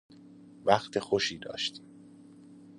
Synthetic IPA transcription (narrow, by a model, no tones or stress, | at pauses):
væχt̪ʰexoʃiːd̪ɒ̰ːʃt̪ʰi̥m